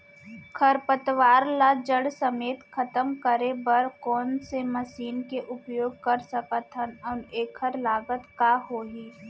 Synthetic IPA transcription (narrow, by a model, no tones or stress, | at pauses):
kʰɐɾpət̪ʋaːɾlad͡ʒəɽsəmeːt̪kʰɐt̪əmkəɾebɐɾkɔːnsemɐsiːnkeʔʊpjoːɡ̚kɐɾsəkət̪ʰənɔːneːkʰːəɾlaːɡət̪kaːɦoːɦiː